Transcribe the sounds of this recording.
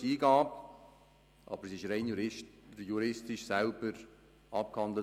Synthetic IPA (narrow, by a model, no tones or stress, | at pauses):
iːɡɑːp | ʔɑ̰bəɾsɪʃɾɛɪnjuɾɪʃjuɾɪstɪʃsɛlbəɾ | ʔɑp̚khɑndlə